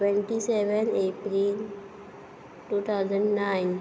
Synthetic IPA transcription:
ʈwẽɳʈiseʋənepɾil | ʈuːt̪ʰaʊzə̃ɳɖnaɪn

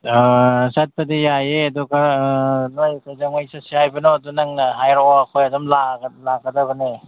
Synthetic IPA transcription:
sat̚pɐdijajeɐdɔkanojkajzaŋajsasihajbɐnodunaŋnɐɦajɾawakʰojɐdɔmlalaɡɐdɐbɐne

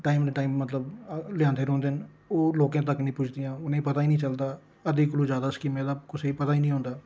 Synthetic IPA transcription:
ʈaːimneʈaːiːmːət̪ləblɪjãːnd̪eːɾõːnd̪en | oːloːkãːt̪əknĩːpʊt͡ʃʰd̪ɪjãːʊnẽipət̪aːiːnĩːt͡ʃəld̪aː | əd̪iːkəlũːd͡ʒjaːd̪aːskiːmẽd̪aːkʊseiːpət̪aːiːnĩːɦõːnd̪aː

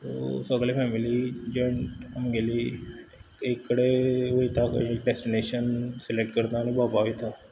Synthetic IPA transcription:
t̪osəɡlepʰɛːmɪlid͡ʒɔ̃ɳəmɡeli | ekːəɽeit̪akːɖɛsʈɪneːʃənsɪlek̚ʈkəɾd̪anĩbaːpaːʋit̪ʰaː

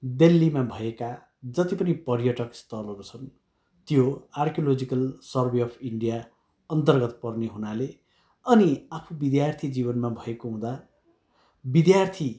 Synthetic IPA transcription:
d̪elːimabʱʌeka | d͡zʌt̪ipʌnipʌrjʌʈʌkst̪ʰʌlɦʌɾut͡sʰʌn | t̪joarkjolod͡zikʌlsʌrbeʌpʰiɳɖija | ʌnt̪ʌrɡʌt̪pʌrneɦunale | ʌniapʰubid̪jart̪ʰid͡zibʌnmabʱʌekoɦũd̪a | bid̪jart̪ʰi

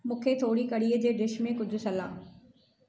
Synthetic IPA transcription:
mũːkʰet̪ʰoːɽikɐɽiːəd͡ʑeːɖɪʃmẽkʊd͡ʑʱʊ̆sɐla̰ː

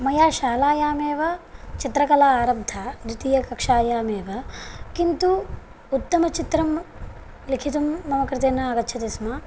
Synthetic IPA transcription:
mɐjaːʃaːlaːjaːmeːʋɐt͡ʃit̪ɾɐkɐlaaːɾɐb̚d̪ʱaːd̪ut̪ijɐkɐkʂaːjaːmeːʋɐkint̪u | ut̪ːɐmɐt͡ʃit̪ɾɐm | likʰit̪umːɐmɐkɾɪt̪eːnːɐaːɡɐtːt͡ʃʰɐt̪esma

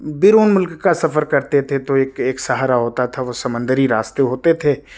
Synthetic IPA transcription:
bɪɾoːnmʊlkːasɐfəɾkɐɾt̪et̪ʰet̪oeːkeːksɐɦaːɾaɦoːt̪at̪ʰaʋosɐmə̃nd̪əɾiɾaːst̪eɦoːt̪et̪ʰeː

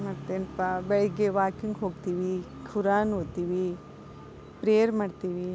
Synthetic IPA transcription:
maːɖt̪eːnpabɛɭɛɡeʋaːkiŋɡɦoːɡt̪iːʋi | kʰuɾaːnoːɡt̪iːʋi | pɾejɐɾmaːɖt̪iːʋi

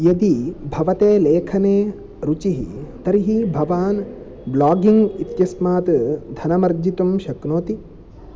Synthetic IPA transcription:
jɐd̪ibʱɐʋɐt̪eːleːkʰɐneː | ɾut͡ʃiɦit̪ɐɾiɦibʱɐʋaːn | blaːɡiŋɡit̪jɐsmaːt̪d̪ʱɐnɐmɐɾd͡ʒit̪umʃɐknoːt̪i

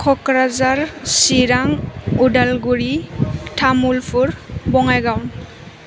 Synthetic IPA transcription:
kʰɔkɾazaɹsiɾaŋudalɡuɾitʰamulpʰuɹbɔŋajɡawn

